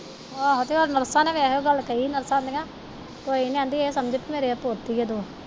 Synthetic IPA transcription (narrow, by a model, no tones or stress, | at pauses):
baːɦot̪iːoːɾnəɾsãːnẽʋɛːɦoːɡəlkəinəɾsãːnd̪eãː | t̪oːinẽãːnd̪iːsəmd͡ʒət̪ːmeːɾeːəpoːt̪ːiːɡed̪oː